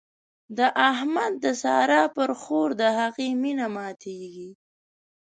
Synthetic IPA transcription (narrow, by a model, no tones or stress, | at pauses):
d̪əʔaɦmad̪̚ːəsɑːɾɑpəɾxoɾd̪əhaɣiminamɑt̪ʰeɡi